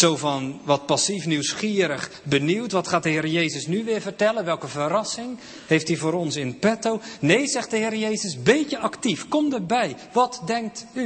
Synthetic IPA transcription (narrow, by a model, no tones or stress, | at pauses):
sowvɑnʋɑt̚pɑsifniwsχɪːɾəχ | bəniwtʋɑtχaːt̚dəɦɪːɾəjejzəsnyʋɪːɹvəɹtɛlənʋɛlˠkəvəɾɑsɪŋ | hejftivʊːɾɔnsɪnpɛtownejzɛχt̚dəɦɪːɾəjejzəsbecəʔɑktifkɔmdərbɛj | ʋɑtdɛŋk̚ty